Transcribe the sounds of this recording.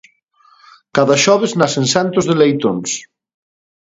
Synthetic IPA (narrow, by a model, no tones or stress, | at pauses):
kaðɐʃɔβ̞eznasensant̪ʊzðelejt̪ons